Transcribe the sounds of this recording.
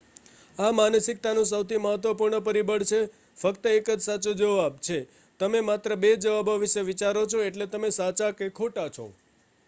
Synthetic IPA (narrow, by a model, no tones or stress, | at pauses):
amanəsik̚t̪anũsəwt̪ʰiməɦət̪ʋəpuɾɳəpəɾibəɽt͡ʃʰe | fəkt̪əekəd͡ʒsat͡ʃod͡ʒəʋabt͡ʃʰe | t̪əmemat̪ɾəbed͡ʒəʋaboʋiʃeʋit͡ʃaɾot͡ʃʰoeʈlet̪əmesat͡ʃakekʰoʈat͡ʃʰo̰